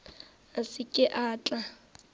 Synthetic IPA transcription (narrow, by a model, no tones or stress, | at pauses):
asɪkʼɪʔaːt͡ɬʼa